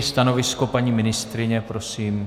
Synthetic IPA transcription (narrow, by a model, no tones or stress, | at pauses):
st̪ano̞vɪsko̞paɲiːmɪnɪst̪ɾɪɲɛpɾosiːm